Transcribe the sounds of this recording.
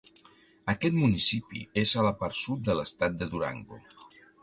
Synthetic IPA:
əkɛt̪munisipḭezələparsut̪̚d̪ələst̪at̪̚d̪əðuɾa̰ŋɡṵ

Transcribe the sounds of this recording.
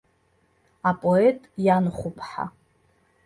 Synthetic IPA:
apʼoetʼjanχʷʊpʰħa̰

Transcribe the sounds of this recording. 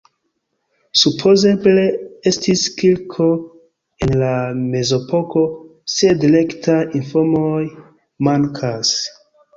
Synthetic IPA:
supʰo̞ze̞ble̞e̞stiskilkʰo̞ | enlame̞zo̞po̞ko̞se̞dile̞ktʰainfomoj | maŋkʰas

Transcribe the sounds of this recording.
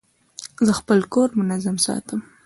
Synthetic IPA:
zəxpəlkoɾmʊnazamsɑ̰t̪ʰəm

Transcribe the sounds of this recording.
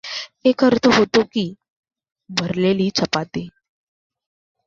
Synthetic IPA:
ekɦəɾt̪ʰəɦot̪okiː | bʱəɾleliːt͡sʰəpat̪e

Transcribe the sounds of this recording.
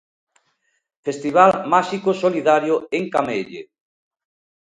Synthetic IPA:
fest̪iβ̞almaʃikosoliðaɾjoeŋkameʎḛ

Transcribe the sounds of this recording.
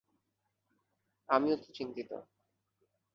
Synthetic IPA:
amiot̪ot͡ɕint̪it̪o̰

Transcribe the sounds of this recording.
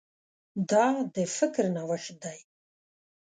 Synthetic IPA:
d̪ɑd̪əfɪkɾnawaʃd̪aj

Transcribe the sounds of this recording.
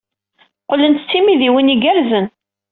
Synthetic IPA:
qəlːənt̪t͡sːimiðiwiniɡæɾzən

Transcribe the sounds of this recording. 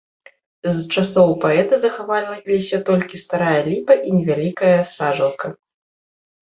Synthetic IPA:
zt͡ʂasɔwpaɛt̪ɨzɐxavalʲnɐlʲisʲɐt̪ɔlʲkʲist̪aɾajɐlʲipɐʔinʲɛvʲalʲikɐjɐsaʐɐlˠkʰɐ

